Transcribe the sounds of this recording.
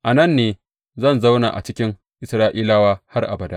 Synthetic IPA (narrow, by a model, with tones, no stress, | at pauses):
ʔa˨nɐ˦˨nːeː˦ | zɐ˦˨nza˦wna̰ː˨ʔa̰˨t͡ʃɪ˦kʲɪ˦ŋ | ʔɪ˨sɾaː˦ʔiː˦laː˦waː˦ha˦rʔa̰˨bɐ˨da˦